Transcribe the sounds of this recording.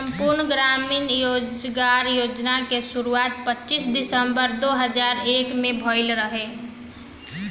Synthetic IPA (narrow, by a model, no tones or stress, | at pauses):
sə̃mpʊɾnɡɾaːmiːnjoːd͡ʒɡaːɾjoːd͡ʒnakeʃʊɾuaːt̪̚pətːʃisd̪ɪsəmbəɾd̪oːɦəd͡ʒaːɾeːkmẽbʱɔːɪlɾəɦeː